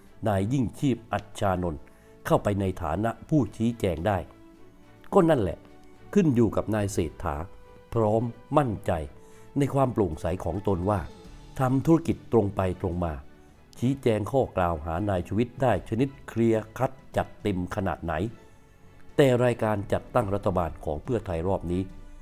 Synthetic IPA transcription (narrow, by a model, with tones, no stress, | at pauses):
naː˧jːi˥˩ŋt͡ɕʰiː˥˩p̚ʔa˨˩t̪̚t͡ɕʰaː˧no˧n | kʰa˥˩wpa˧jna˧jt̪ʰa̰ː˩˦na˦˥ʔpʰuː˥˩t͡ɕʰiː˦˥t͡ɕɛː˧ŋdaː˥˩j | kɔ˥˩na˥˩nlɛ̰˨˩ʔ | kʰɯ˥˩njuː˨˩ka˨˩p̚naː˧jseː˨˩t̪ʰːa̰ː˩˦ | pʰɾɔː˦˥mːa˥˩nt͡ɕa˧jna˧jkʰwaː˧mplo˨˩ŋsa˩˦jkʰɔː˩˦ŋt̪o˧nwaː˥˩t̪ʰa˧mt̪ʰu˦˥ɾa˧˥ki˨˩t̪ːɾo˧ŋpa˧jt̪ɾo˧ŋmaː˧ | t͡ɕʰiː˦˥t͡ɕɛː˧ŋkʰɔː˥˩klaː˧wɦa̰ː˩˦naː˧jt͡ɕʰuː˧wi˦˥t̪̚daː˥˩jt͡ɕʰa˧ni˦˥t̪̚kʰɾi˧əkʰa˦˥t̪̚t͡ɕa˨˩t̪ːe˧mkʰa˧na̰ː˨˩t̪̚na̰˩˦j | t̪ɛː˨˩ɾaː˧jkaː˧nt͡ɕa˨˩t̪ːa˥˩ŋɾa˦˥t̪ʰːa˧baː˧nkʰɔ̰ː˩˦ŋpʰɯ˥˩ɐt̪ʰa˧jɾɔː˥˩p̚niː˦˥